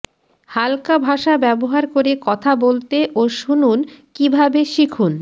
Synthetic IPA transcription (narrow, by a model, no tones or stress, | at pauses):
halkabʱaʃabɛboɦaɾkoɾekɔt̪ʰabolt̪eʔoʃununkibʱabeʃikʰun